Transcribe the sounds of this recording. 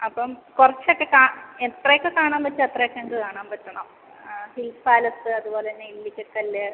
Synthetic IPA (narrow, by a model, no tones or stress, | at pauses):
ɐpːɐmkurɐt͡ɕːo̞kːe̞kaːet̪rɐjokːekaːɳaːmpɐt͡ɕːɨɐt̪rɐjokːeɳɖɨkaːɳaːmpɐtːɐɳɐm | hilsaːlɐt̪ːɨɐðupoːleinːeilːikʲːokːɐlːɐ